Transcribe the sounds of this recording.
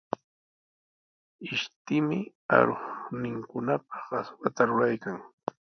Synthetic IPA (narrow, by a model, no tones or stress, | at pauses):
ɪʃt̪ɪmɪ | a̰ɾoχnɪŋkʊnap̚ḁɢɑswat̪aɾʊɾajkaŋ